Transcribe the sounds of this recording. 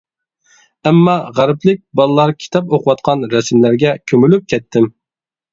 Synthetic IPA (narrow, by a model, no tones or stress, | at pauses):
ɛmːɑʁæɾɪplɪk̚ʲbɑlˠɨlˠɑɾkʲʰi̥t̪ʰɑpoqʰʊwɑt̪̚qʰɑnɾɛsmlæɾɡʲɛkʲʰømylyp̚kʲʰɛt̪ʰːɪm